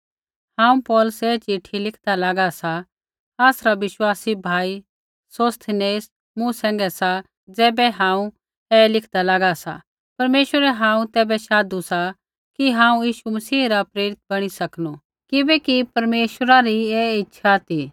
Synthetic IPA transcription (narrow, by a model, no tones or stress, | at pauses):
hãːũpɔːlʊsɛːt͡ʃɪʈʰilɪkʰd̪alaːɡasa | aːsɾaʋɪʃwaːsibʱaːi | soːst̪ʰneːs | mũsɛ̃ːŋɡɛsa | d͡zɛːbɛɦãːũ | ɛːlɪkʰd̪alaːɡasa̰ | pɐɾmeːʃwəɾɛɦãːũt̪ɛːbɛʃaːd̪usa | kiɦãːũjiːʃumɐsiːɾapɾeːɾɪt̪̚bɐɽ̃isɐknu | kɪbɛkipɐɾmeːʃəɾaɾieɪtːʃʰat̪iː